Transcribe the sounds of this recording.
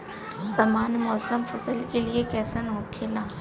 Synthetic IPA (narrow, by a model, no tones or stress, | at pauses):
sɐmaːnmɔːsəmfɐsəlkeliekɛːsənɦoːkʰelãː